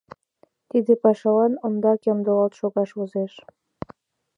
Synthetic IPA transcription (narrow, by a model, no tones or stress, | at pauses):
t̪id̪epɑʃɑlɑnond̪ɑkɑmd̪olɑlt̪ʃoɣɑʃozeʃ